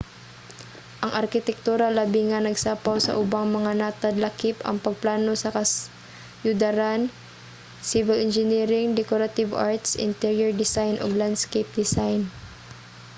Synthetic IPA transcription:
ʔɐŋʔɐɾkɪt̪ɛk̚t̪uːɾɐlabiŋanɐɡsaːpawsɐ̰ʔʊbaŋmɐŋanat̪ad̪lɐkɪpɐ̰ŋpɐɡ̚plaːnosɐkɐs | jʊd̪ɐɾan | sɪvɪlɪnd͡ʒɪniɾɪŋd̪ɛkoɾat̪ɪvaɹt̪sʔɪ̰nt̪ɛɹjɛɹd̪ɪsajnʔoɡland̪skɛjp̚d̪ɪsajn

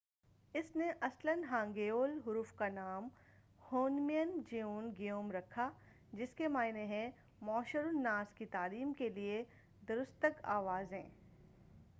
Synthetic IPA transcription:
ɪsneʔɐslənɦãːŋɡeːoːlɦʊɾufkanaːm | hoːnmijənd͡ʒejoːnɡɪjoːmɾɐkʰa | d͡ʒɪskemaːɪneɦɛ̃ | mɔːʃəɾʊnːaːskit̪aːliːmkelie | d̪ɐɾʊst̪əka̰ːʋaːzɦɛ̰̃ː

